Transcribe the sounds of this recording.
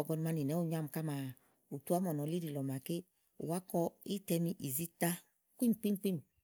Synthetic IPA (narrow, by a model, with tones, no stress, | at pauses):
ɔ˨ɡɔ˧n˧ma˧ni˨nɛ˨˦u˦˨ɲa˧m˨ka˦ma˨ | u˨tu˦a˦mɔ˨nɔ˨li˦ɾi˨lɔ˨ma˨ke˦ | ṵ˨wa˦kɔ˧i˦tɛ˧mi˧ʔi˨zi˦ta˦ | kʷi˦m˨pi˦m˦pi˦m˨